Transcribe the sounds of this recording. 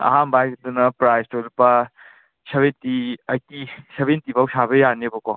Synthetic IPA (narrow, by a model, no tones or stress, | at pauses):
ɐ̰ɦambajɡd̪unɐpɾajstolpa | seβentiɐjkisebentibʱawsabejanebɔkɔ